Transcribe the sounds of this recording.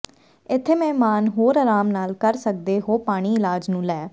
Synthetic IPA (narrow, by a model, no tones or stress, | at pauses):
ɪt̪ʰːeːmɛ̃ːmaːnɦoːɾaɾaːmnaːlkəɾsək̚d̪eːɦoːpaːɽ̃iːɪlaːd͡ʒnũːlɛː